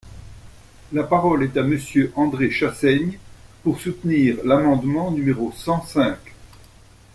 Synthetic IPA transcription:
lapaʁɔlɛt̪aməsjøʔɑ̃d̪ʁeʃasɛɲpuʁsut̪niːʁlamɑ̃d̪mɑ̃nymeʁosɑ̃sɛ̃k

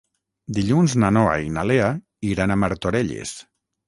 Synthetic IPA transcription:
d̪iʎunznanoa̰inalea | iɾanamaɾt̪oɾeʎḛs

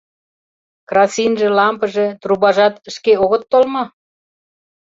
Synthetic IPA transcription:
krɑsinʒĕlɑmpə̆ʒĕt̪ruβɑʒɑt̪əʃkeoɣə̆t̪ːolmɑ

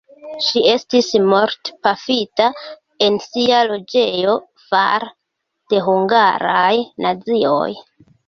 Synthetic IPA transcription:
ʃie̞stismo̞ɾtpafita | e̞nsialo̞d͡ʒe̞jo̞ | fa̰ɾ | d̥e̞ɦuŋɡaɾajnʔad͡zio̞̰j

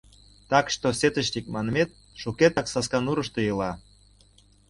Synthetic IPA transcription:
t̪ɑkʃt̪oset̪əʃt̪ik̚mɑnəmet̪̚ | ʃuket̪ɑksɑskɑnuɾəʃt̪ojəlɑ

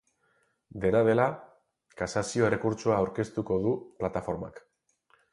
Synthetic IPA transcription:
d̪e̞nað̞e̞la | kasasio̞e̞re̞kuɾt͡ʃoaːwɾke̞st̪uko̞ð̞uplat̪afo̞ɾma̰k

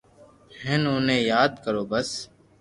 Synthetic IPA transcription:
ɦɛ̃ːnoːnẽːjaːd̪kəɾoːbəs

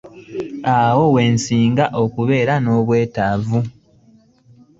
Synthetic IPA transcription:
awo̞we̞ːnsiːŋɡaʔo̞kuβe̞ːɾano̞ːβwe̞ːtavu

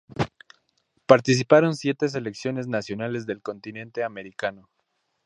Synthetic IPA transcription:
paɾt̪is̬ipaɾo̞nsje̞t̪es̬e̞le̞ksjo̞ne̞znasjo̞nale̞zðe̞lko̞nt̪inẽ̞nt̪e̞ame̞ɾikano̞

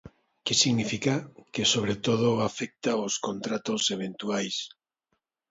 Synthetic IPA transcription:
kesiɣnifikakesoβɾet̪oð̞oafek̚t̪aoskont̪ɾat̪oseβ̞ent̪uajs

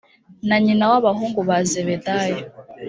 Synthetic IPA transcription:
naɲinawaβaɦuːŋɡuβazeβetajo

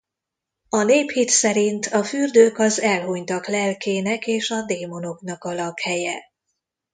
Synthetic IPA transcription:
ɒneːphit̪sɛɾint̪ʰɒfyrd̪øːkɒzɛlɦoɲt̪ɒklɛlkʰeːnɛkeːʃɒd̪eːmo̞no̞knɒkɒlɒkhɛjɛ

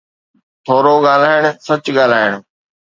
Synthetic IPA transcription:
t̪ʰoːɾoɠaːl̤aːɪɽ̃sɐt͡ɕɠaːl̤aːɪɽ̃

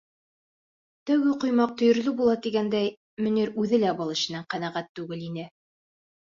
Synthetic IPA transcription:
t̪æwɡɘqŏjmɑq̚t̪ɵ̆jɵ̆ɾlɘbulˠɑt̪iɡænd̪æj | mɵ̆niɾʉðɘlæbɑlˠɘ̆ɕɘ̆næɴqænæʁæt̪ːʉɡɘlinɘ

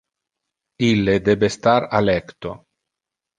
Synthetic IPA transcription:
ilːed̪ɛbest̪aɾalɛkt̪o̰

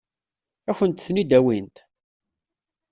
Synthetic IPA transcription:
æçənt̪θnid̪æwint̪

